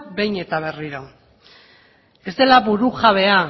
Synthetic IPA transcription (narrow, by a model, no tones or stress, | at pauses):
be̞jɲe̞t̪aβ̞e̞riɾo̞ | e̞zd̪e̞laβuɾuɣaβe̞a